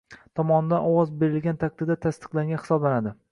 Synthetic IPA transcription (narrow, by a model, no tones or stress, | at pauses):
t̪ʰɒmɒnɪd̪anɒwɒzbe̞ɾɪlɡʲant̪ʰak̚t̪ɪd̪at̪ʰast̪ɨ̥qlˠaŋɡʲahɪ̥sɒblanad̪ɪ